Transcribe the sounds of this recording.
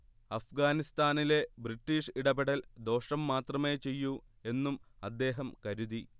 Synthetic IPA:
ɐfɡaːnist̪aːnile̞briʈːiːʂiɽɐbeɽɐld̪o̞ːʂɐmːaːt̪rɐme̞ːt͡ɕe̞jːu | e̞nːumɐd̪ːe̞ːɦɐmkɐɾuði

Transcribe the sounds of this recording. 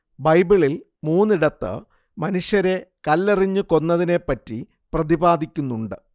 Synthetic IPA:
bɐjbiɭil | muːnːiɽɐt̪ːɨ̰ | mɐnuʂjɐɾe̞kɐlːiriɲːɨko̞nːɐðine̞pːɐtːi | prɐðibaːd̪ikʲːunːuɳɖɨ

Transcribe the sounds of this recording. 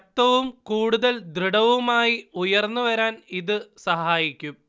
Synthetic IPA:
t̪ːɐʋumkuːɽuðɐld̪riɽɐʋumaːjiujɐrnːuʋɐɾaːniðɨsɐɦaːjikʲːum

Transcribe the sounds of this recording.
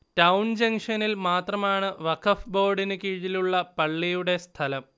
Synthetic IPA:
tɐwnd͡ʑɐŋʂɐnilmaːt̪rɐmaːɳɨʋɐkʰɐfbo̞ːɖinɨkiːɻiluɭːɐpɐɭːijuɽe̞st̪ʰɐlɐm

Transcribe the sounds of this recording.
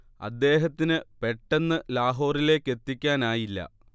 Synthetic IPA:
ɐ̰d̪ːe̞ːɦɐt̪ːinɨpe̞ʈːe̞nːɨlaːɦo̞ːrile̞ːkːe̞t̪ːikʲːaːnaːjilːɐ̰

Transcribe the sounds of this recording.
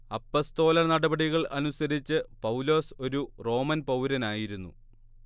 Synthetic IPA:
ɐpːo̞st̪o̞ːlɐnɐɽɐbɐɽiɣɐɭʔɐnusɐɾit͡ɕːɨpɐwlo̞ːso̞ɾuro̞ːmɐnpɐwɾɐnaːjiɾunːṵ

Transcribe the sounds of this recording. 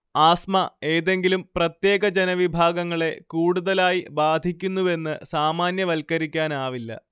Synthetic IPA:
aːsmɐe̞ːðe̞ŋɡilumprɐt̪je̞ːɡɐd͡ʑenɐʋibʱaːɡɐŋːɐɭe̞kuːɽuðɐlaːjibaːd̪ʱikʲːunːue̞nːɨsaːmaːnjɐʋɐlkɐɾikʲːaːnaːʋilːɐ̰

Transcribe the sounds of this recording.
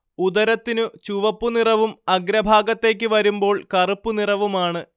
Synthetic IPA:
ud̪ɐɾɐt̪ːinɨt͡ɕuʋɐpːunirɐʋumɐɡɾɐbʱaːɡɐt̪ːe̞ːk̬ʲːɨʋɐɾumbo̞ːɭkɐrupːunirɐʋumaːɳɨ

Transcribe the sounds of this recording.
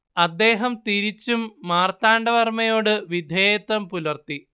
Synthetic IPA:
ɐd̪ːe̞ːɦɐmt̪iɾit͡ɕːumːaːrt̪aːɳɖɐʋɐrmɐjo̞ːɽɨʋid̪ʱeːjɐt̪ːɐmpulɐrt̪i

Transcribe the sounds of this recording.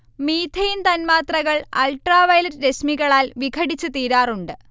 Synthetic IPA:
miːt̪ʰɐjint̪ɐnmaːt̪rɐɣɐɭɐ̰lʈraːʋɐjlɐɾɾesmiɣɐɭaːlʋiɡʰʱɐɽit͡ɕːɨt̪iːɾaːruɳɖɨ

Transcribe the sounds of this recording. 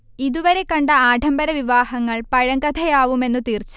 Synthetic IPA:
iðuʋɐɾe̞kːɐɳɖɐaːɖʱɐmbɐɾɐʋiʋaːhɐŋːɐɭpɐɻɐŋɡɐd̪ʰʱɐjaːʋume̞nːut̪iːrt͡ɕːu

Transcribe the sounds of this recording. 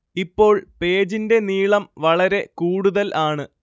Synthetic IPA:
ipːo̞ːɭpe̞ːd͡ʑinde̞niːɭɐmʋɐɭɐɾe̞kuːɽuðɐlʔaːɳɨ

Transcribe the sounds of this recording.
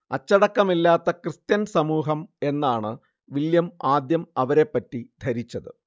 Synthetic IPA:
ɐt͡ɕːɐɽɐkːɐmilːaːt̪ːɐkrɨst̪jɐnsɐmuːɦɐme̞nːaːɳɨ | ʋiljɐmaːd̪jɐmɐʋɐɾe̞pːɐtːid̪ʱɐɾit͡ɕːɐðɨ̰

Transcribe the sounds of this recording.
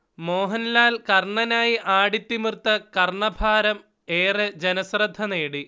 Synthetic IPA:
moːɦɐnlaːlkɐrɳɐnaːjiʔaːɽit̪ːimɨrt̪ːɐkɐrɳɐbʱaːɾɐm | eːrɨd͡ʑenɐsrɐd̪ʱːɐneːɽi

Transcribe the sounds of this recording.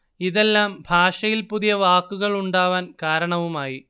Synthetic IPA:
iðe̞lːaːmbʱaːʂɐjilpuðijɐʋaːkːuɣɐɭuɳɖaːʋaːnkaːɾɐɳɐʋumaːji

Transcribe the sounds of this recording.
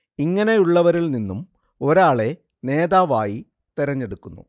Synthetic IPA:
iŋːɐne̞juɭːɐʋɐɾilninːum | o̞ɾaːɭe̞ | ne̞ːd̪aːʋaːji | t̪iɾɐɲːe̞ɽukːunːṵ

